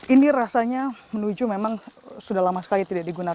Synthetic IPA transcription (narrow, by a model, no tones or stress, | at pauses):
iniɾasaɲamənud͡ʒumemaŋsudahlamasə̥kalit̪idaʔdiɡuna